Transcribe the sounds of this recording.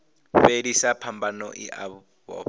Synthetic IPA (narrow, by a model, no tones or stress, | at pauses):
fedisapʰambanɔ̰ʔiʔa | βɔ̰